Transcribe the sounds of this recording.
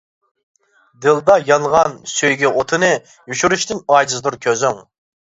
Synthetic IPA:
d̪ɨlˠd̪ɑjɑnʁɑnsøjɡʲɛʔot̪ʰɨnɨ | juʃuɾyʃt̪ɪnɑjd̪ɨzd̪uɾkʲʰøzyŋ

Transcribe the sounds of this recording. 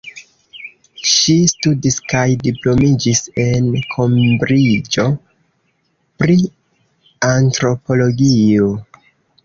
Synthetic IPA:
ʃistudiskajdiplo̞mid͡ʒise̞nkʰo̞mbɾid͡ʒo̞ | pɾi | antɾo̞po̞lo̞ɡio

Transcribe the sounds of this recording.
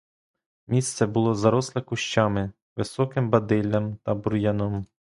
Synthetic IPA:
mʲist̪sɛbʊlˠɔzɐɾɔslˠɛkʊʃt͡ʃɑmɪ | ʋɪsɔkɪmbɐd̪ɪlʲːɐmt̪ɐbʊɾjɐnɔm

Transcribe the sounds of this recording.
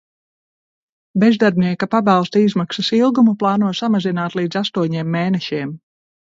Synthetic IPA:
bezd̪aɾbniɛkapabalˠst̪aizmaksɐsilˠɡumuplˠaːnuɔsamazinaːt̪lˠiːd̪zast̪uɔɲeːmːeːnɛʃiɛm

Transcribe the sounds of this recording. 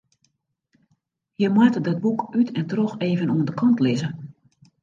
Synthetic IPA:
jəmwatdɔt̚bukytʰɛntrɔxeːvənuəndəkʰɑntlɪzə

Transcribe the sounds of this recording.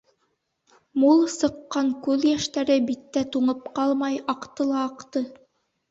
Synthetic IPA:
mulˠsɤ̆qːɑŋkʉðjæʃt̪æɾɘbit̪ːæt̪uɴɤpqɑlˠmɑjɑqt̪ɤlˠɑːqt̪ɤ

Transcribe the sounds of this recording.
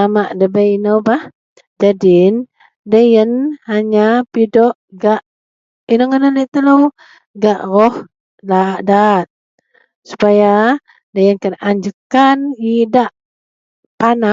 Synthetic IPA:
amaʔdəbəjinəwbah | d͡ʒadin | dəjənhaɲapidɔʔɡaʔ | inəŋənəleʔt̪ələw | ɡaʔrɔh | daʔdat̪̚ | su̥paja | dəjənkənʔaɲd͡ʒəkanidaʔ | pana

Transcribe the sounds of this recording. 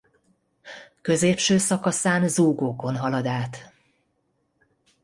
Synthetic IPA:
kø̞zeːpʃøːsɒkɒsaːnzuːɡoːko̞nɦɒlɒd̪aːt̪

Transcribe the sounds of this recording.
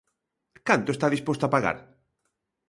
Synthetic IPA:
kant̪oest̪aðispost̪oapaɣa̰ɾ

